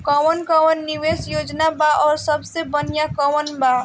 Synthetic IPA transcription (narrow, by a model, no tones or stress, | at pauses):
kɔwənkɔwənːiwesjod͡ʒnabaʔɔːɾsəbsebənjakəwənba